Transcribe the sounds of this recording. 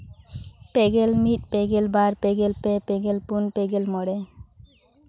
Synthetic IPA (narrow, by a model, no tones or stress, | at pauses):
peɡelmit̚peɡelbaɾpeɡelpepeɡelpunpeɡelmɔɽɛ